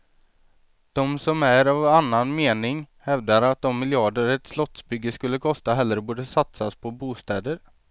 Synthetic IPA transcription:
d̪̥ɔmsɔmæɾavanːanmeːnɪŋ | hɛvd̪aɾat̪̚d̪ɔmːɪljɑːɖəɾɛt̪slɔt̪sbʏɡːəskɵlːəkʰɔst̪aɦɛlːɾəbuːɖəsat̪saspʰɔbuːst̪ɛːd̪əɾ

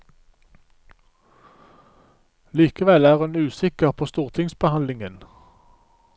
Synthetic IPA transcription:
liːkəʋɛlæːʁʉnʉːsɪkəʁpʰoːst̪uːʁt̪ʰɪŋsbəhɑnlɪŋən

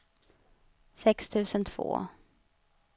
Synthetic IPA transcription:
sɛkst̪ʰʉ̟ːsənt̪ʰv̥o̰ː

